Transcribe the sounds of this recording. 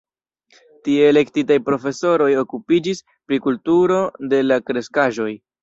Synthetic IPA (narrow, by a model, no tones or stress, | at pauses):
tieːle̞ktitajpɾo̞fe̞so̞ɾo̞jo̞kupid͡ʒis | pɾikultuɾo̞de̞lakɾe̞skaʒo̞j